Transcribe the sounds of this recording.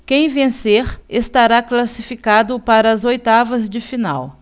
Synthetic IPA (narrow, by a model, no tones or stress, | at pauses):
kẽj̃vẽseɾest̪aɾaklasifikad̪ʊpaɾɐːzojt̪avɐzd͡ʒɪfina̰w